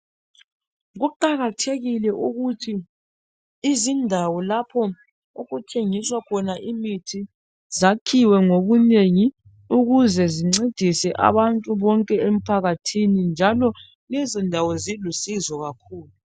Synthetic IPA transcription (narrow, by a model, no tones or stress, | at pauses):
ɣuǃaɣatʰeɣilɛʔuɣutʰiː | zindʱawɔlapʰɔ | oɣutʰeŋiswakʰɔnaʔimitʰi | zakʰiwɛŋoβuneŋi | uɣuzɛziŋ͡ǀed̥ʱisɛʔa̰βantʼuβɔŋkʼɛem̩pʰaɣatʰinind͡ʒʱalɔ | lɛzindʱawɔzilusizɔɣakʰuːlu